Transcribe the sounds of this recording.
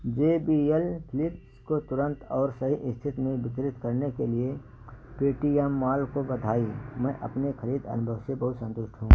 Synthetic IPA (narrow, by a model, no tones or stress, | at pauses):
d͡ʒeːbielpʰɪlɪpskot̪ʊɾə̃nt̪ɔːɾsɐɦiʔɪst̪ʰɪt̪mẽbɪt̪ɾɪt̪kəɾnekelie | peːʈijɛmːaːlkobɐd̪ʱaːimɛ̃ːʔɐ̰pnexɐɾiːd̪ɐ̰nʊbʱəʋsebɐɦʊt̪sə̃nt̪ʊʃʈʰɦũː